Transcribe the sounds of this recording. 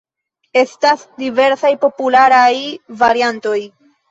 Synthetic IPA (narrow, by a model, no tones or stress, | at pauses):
e̞stasdive̞ɾsajpo̞pulaɾajvaɾianto̞j